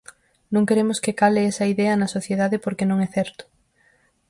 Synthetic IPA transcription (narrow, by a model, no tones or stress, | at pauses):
nõŋkeɾemʊskekaleesɐiðɛɐnɐsoθjeðaðɪpoɾkenõŋɛθɛɾt̪ʊ̥